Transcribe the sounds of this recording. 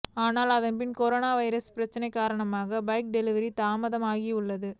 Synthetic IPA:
aːnaːlɐðɐnpɪnkɔɾoːnaːʋɐɪɾɐspɪɾɐt͡ʃːɐnɐɪkːaːɾɐɳɐmaːɣɐbɐɪk̚ɖɛlɪʋɐɾit̪aːmɐðɐmaːɣiʊɭːɐðɯ

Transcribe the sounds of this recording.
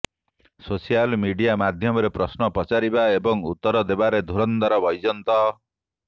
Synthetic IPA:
sosialmiɖijamad̪ʱjɔmɔɾepɾɔsnɔpɔt͡ʃaɾibaebɔŋṵt̪ːɔɾɔd̪ebaɾed̪ʱuɾɔnd̪aɾɔbɔjd͡ʒɔnt̪ɔ

